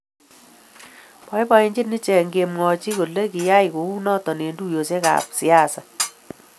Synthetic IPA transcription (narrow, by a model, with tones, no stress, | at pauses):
pɔ˦jpa˦i˦ɲd͡ʒi˦tni˦t͡ʃɛ˨ŋɡe˨mŋɔ˨t͡ʃi˦ko˨le˦ki˨ja˦jko˨u˦nɔ˦tɔ˨ne˨ndu˦jo˨se˦ka̰˨psi˨a˦˨sa˨